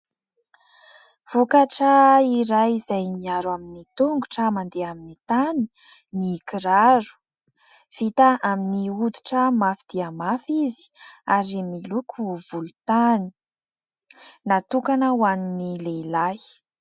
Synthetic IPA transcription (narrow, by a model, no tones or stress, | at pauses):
v̥ukaʈ͡ʂəiɾajizajmiaɾwaminit̪uŋɡuʈ͡ʂəmand̪eaminit̪ani̥ | nikiɾaɾu̥ | v̥it̪aaminiud̪u̥ʈ͡ʂəmafid̪̥iamafizi̥aɾimilukʰuvulut̪ani̥ | nat̪ukanəwaninileilaj